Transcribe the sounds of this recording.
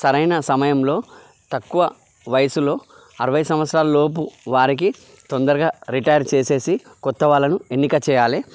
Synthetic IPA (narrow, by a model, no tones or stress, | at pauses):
sɐɾɐjnɐsɐmɐjɐmlo̞ː | t̪ɐkːuʋɐ | ʋɐjɐsulo̞ː | ɐɾɐʋɐjsɐmʋɐt̪sɾaːlɐlo̞ːp̬uʋaːɾik̬i | t̪ond̪ɐɾuɡaːɾiʈɐjɐɾt͡ʃe̞ːse̞ːsi | kɔt̪ːɐʋaːlːɐnue̞nːikɐt͡ʃɛːjaːli